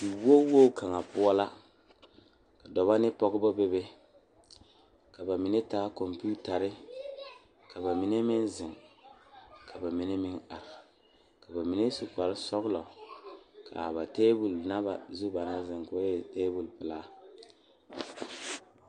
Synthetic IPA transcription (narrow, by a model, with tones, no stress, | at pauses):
di˨wo˦wo˦˨kʰa˨ŋa˨pʊ˦ɔ˦la˦ | ka˨dɔ˨βa˦nɪ˦pɔ˦ɡɪ˦bɔ˦be˦be˦ | ka˨ba˨mi˨ne˦taː˦kɔ˨mpi˦u˦ta˨ɾɪ˦ | ka˨ba˨mi˨ne˦mɪ˦nzɪ˨ŋ | kʰa˨ba˨mi˨ne˦mɪ˦ŋa˨ɾ | ka˨ba˨mi˨ne˦su˨pa˨lɪ˦sɔ˦ɣlɔ˨ | kʰa̰˨βa˨teː˦bu˨lna˦ba̰˨zu˦ba˨na˦zɪ˨ŋkʊ˨a˦jɛ˨teː˦bu˨lpɪ˨la˦˨